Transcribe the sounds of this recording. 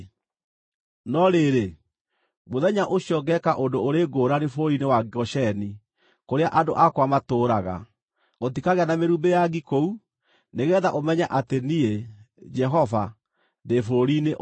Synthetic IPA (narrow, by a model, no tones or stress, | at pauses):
nɔɾeɾe | moðɛɲaʔoɕjɔɡɛkaʔondoːɾeːɡoːɾanefoɾinewaɡɔʃɛni | koɾeaʔadoʔakwamatoːɾaɣa̰ | ot̬ikaɣeanameɾuːmbejaɣikou | neɣɛːðaʔomɛɲaʔatenie | d͡ʒɛɦɔva | ndefoɾineʔ